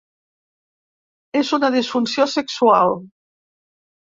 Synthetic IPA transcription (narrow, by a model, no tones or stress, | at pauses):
ezunaðisfunsjoseksua̰l